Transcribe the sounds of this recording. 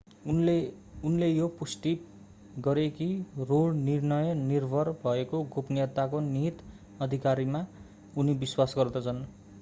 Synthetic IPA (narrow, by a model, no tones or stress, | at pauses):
l | unlejopusʈi | ɡʌɾekirolnirnʌjʌnirbʱʌrbʱʌekoɡʱopnijʌt̪ːakoniɦt̪ | ʌd̪ʱikaɾima | unibiswasɡʌrd̪ʌt͡sʰʌn